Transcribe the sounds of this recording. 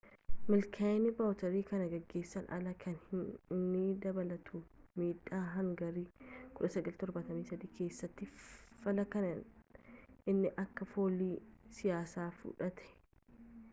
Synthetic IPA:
mɪlkʰanɪbɐwt̪ɐɾiːkɐnɐɡɐɡːe̞ːsːɐnʔɐ̰lɐkʰɐnhɪɪnːɪd̪ɐbɐlɐt̪ʰumiːᶑaːɦɐŋɡɐɾiːkʊᶑɐsɐɡɐlt̪ɔɾbɐt̪ɐmiːsɐd̪iːkʰe̞ːsːɐt̪ːɪfɐlɐkɐnɐ | ɪnːɪʔɐkːɐfo̞ːliːsɪjaːsaːfṵᶑɐt̪ɛ̥

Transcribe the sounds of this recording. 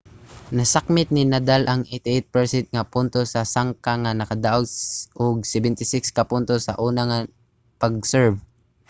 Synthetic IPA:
nɐsak̚mɪt̪̚nɪnad̪alʔɐŋʔet̪ɪʔet̪̚pɛɹsɪnt̪̚ŋapʊnt̪osɐsaŋkaŋanɐkɐd̪aʔoɡʔoɡ̚sɛbɛnt̪ɪsɪkskɐpʊnt̪osɐ̰ʔuːnaŋa | pɐɡ̚sɛɹv

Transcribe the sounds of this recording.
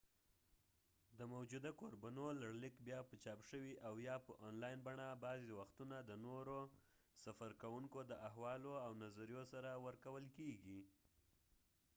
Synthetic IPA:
d̪əmawd͡ʒud̪akoɾbanolaɽlɪkbjɑpət͡ʃɑpʃəwiʔawjɑpəʔɑnlɑjnbaɳabɑzewaxt̪unad̪ənoɾo | safaɾkawuŋkod̪əʔaɦwɑloawnazaɾijosaɾawəɾkawəlkeɡi

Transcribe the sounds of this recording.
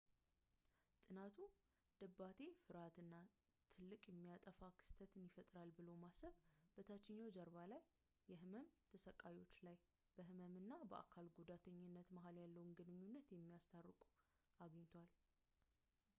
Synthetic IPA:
t̪ʼɨnat̪ʰu | d̪̥əbːat̪ʰe̞fɨɾat̪ɨnːa | t̪ʰɨlːɨkʼjɛmːijat̪ʼəfakʰɨ̥st̪ʰət̪ɨnjɪfət̪ʼɾalbɨlomasəβbət̪ʰat͡ʃːɪɲːawd͡ʒəɾβalajː | ɛɦɨməmt̪ʰəsəkʼajwo̞t͡ʃːlaj | b̥əɦɨməmɨnːabə̰ʔa̰kʰalɡud̪at̪ʰəɲːɪnːət̪məɦaljalːəwunɡɨnɨɲːunːət̪jɛmːijast̪ʰarːɨkʼu̥ | ʔaɡəɲːt̪ʰwal

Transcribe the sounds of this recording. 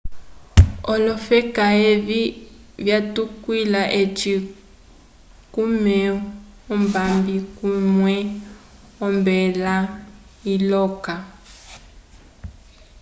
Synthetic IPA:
ɔlɔfɛkaevivjatukwilaʔet͡ʃi | kumɛ | ɔmbambikumwɛ | ɔmbɛlailɔka

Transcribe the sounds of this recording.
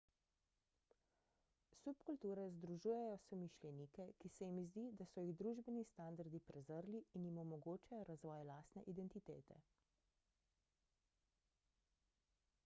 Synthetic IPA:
supkult̪uːɾɛzd̪ɾuʒuːjɛjɔsɔmiʃlʲjɛniːkɛkisɛjimizd̪iːd̪asɔjiɣd̪ɾuːʒbɛnist̪and̪aɾd̪ipɾɛzəɾliːnjimɔmɔɡoːt͡ʃajɔɾazʋɔːjlaːst̪nɛʔid̪ɛnt̪it̪eːt̪ɛ̰

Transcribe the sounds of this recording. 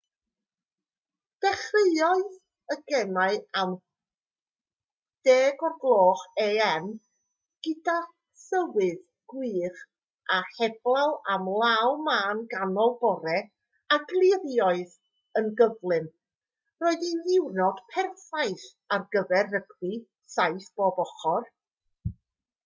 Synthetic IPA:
d̥ɛχrejɔɨð | əɡɛmaɨam | d̥eːɡɔrɡlˠoːχeɛn | ɡ̥ɨda | səwɨð | ɡ̥wiːχ | ʔahɛb̥lˠawamlˠawmaːnɡanɔlˠbɔɾɛ | aɡlˠɪrjɔɨð | ənɡəvlˠɨm | roːɨðinɪwnɔd̥pʰɛrθajθ | arɡəvɛrːəɡwi | sajθb̥obɔχɔr

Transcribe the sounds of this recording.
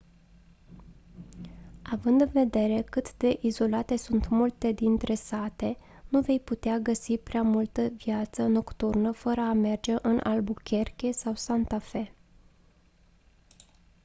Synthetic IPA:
avɨnd̪ɨnve̞d̪e̞ɾe̞kɨt̪d̪e̞ʔizo̞lat̪e̞sunt̪mult̪e̞d̪int̪ɾe̞sat̪e̞ | nuve̞jput̪eaɡəsipɾeamult̪əvjat̪səno̞kt̪urnəfəɾəame̞rd͡ʒe̞ʔɨnʔa̰lbukʲe̞rkʲe̞sawsant̪afe̞

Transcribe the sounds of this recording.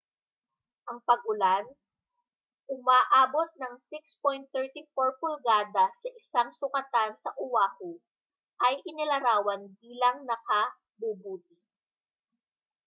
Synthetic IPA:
ʔɐŋpɐɡ̚ʔʊlan | ʔʊmaːʔaːbo̞t̪̚nɐŋsɪkspojnt̪ːɛɹt̪ifoɹpʊlɡaːd̪ɐsɐʔɪsaŋsʊkɐt̪ansɐʔʊwaːhʊ | ʔɐjʔɪnɪlɐɾaːwɐnbiːlɐŋnɐkɐ | bubuːt̪̚ɪ

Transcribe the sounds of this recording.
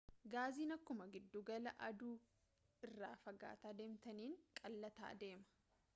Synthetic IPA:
ɡaːziːnɐkːʊmɐɡɪd̪ːuɡɐlɐʔɐd̪uː | ɪrːa̰ːfɐɡa̰ːt̪aːd̪eːmt̪ɐniːŋkʼɐlːɐt̪a̰ːd̪e̞ːmɐ̥

